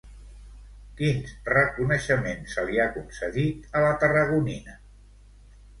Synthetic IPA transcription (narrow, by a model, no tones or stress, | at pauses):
kinrəkunəʃəmensəliakunsəɣit̪ələt̪ərəɣ̞uninə